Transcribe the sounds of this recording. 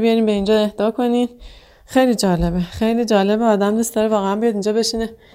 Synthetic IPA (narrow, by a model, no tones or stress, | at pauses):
bijɒɾiːmbe̞ind͡ʒɒːe̞hd̪̥ɒːkʰo̞nin | xe̞jlid͡ʒɒːle̞bexe̞jliːd͡ʒɒːle̞beɒːd̪æmd̪ust̪ɒːɾevɒːɣeæmbijɒd̪ind͡ʒɒːbe̞ʃine